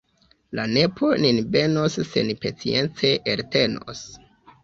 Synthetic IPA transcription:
lanepʰoninibe̞nosːenipet͡sient͡seʔeɾteno̰s

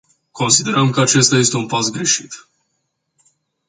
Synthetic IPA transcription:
kʰo̞nsid̪e̞ɾəmkəat͡ʃe̞st̪ajest̪e̞unpasɡɾe̞ʃit̪

